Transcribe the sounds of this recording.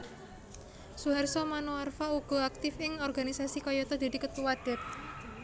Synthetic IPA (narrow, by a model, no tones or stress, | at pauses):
suɦarsɔmanoarfauɡ̥ɔ̤ak̚t̪ɪfɪŋɔrɡanisasikɔjɔt̪ɔd̪̥i̤t̪ikət̪uwaɖ̪̥ɛt̪̚